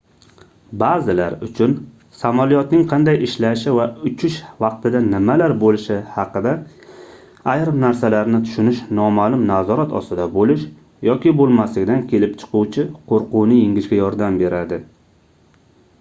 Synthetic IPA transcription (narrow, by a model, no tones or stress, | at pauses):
bazɪla̰ɾʊt͡ʃʰʊn | samalijɒt̪nɪŋqʰɑnd̪ajɪʃlaʃɪvaʊt͡ʃʰʊʃvɑqt̪ɪd̪anɪmalaɾbolɪʃɪhɑqɨd̪a | ajɾmnaɾsalaɾnɪt̪ʰʊ̥ʃʊnɪʃnɒmalˠʊmnazɒɾat̪ʰɒ̰st̪ɪd̪abolɪʃ | jɒkʲɪbolˠmaslɪkʲd̪ankʲʰe̞lɪpt͡ʃʰɨ̥quwt͡ʃʰɪqʰoɾqʊnɪjɪŋʲɪʃɡʲajɒɾd̪ambe̞ɾʔad̪ɪ